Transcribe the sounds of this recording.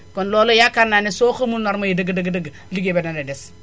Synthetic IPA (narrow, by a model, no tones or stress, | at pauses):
kɔnlɔlojakananɛsoːxəmunɔɾmajidəɡdəɡdəɡ | liɡebenanɛdɛs